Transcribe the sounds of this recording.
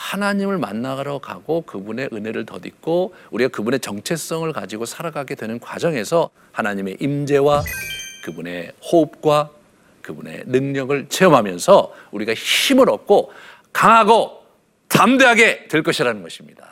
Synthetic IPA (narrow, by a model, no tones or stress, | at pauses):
hanaɲimɯɭma̰nːaɡɾʌkaɡokɯbune̞ʔɯne̞ɾɯɭtʌdik̚k͈ouɾiɡakɯbune̞t͡ɕʌŋt͡ɕʰe̞s͈ʌŋɯɭkad͡ʑiɡosʰaɾaɡaɡe̞dwe̞nɯnkwa̰d͡ʑʌŋe̞sʰʌ | hanaɲime̞ʔimd͡ʑe̞wakɯbune̞hoɯp̚k͈wa | kɯbunḛnɯŋɲʌɡɯɭt͡ɕʰe̞ʌmɦamjʌnsʰʌuɾiɡaɕimɯɾʌp̚kʰo | kaŋɦaɡo | tamde̞ɦaɡe̞twe̞ɭk͈ʌɕʰiɾanɯnɡʌɕʰimɲida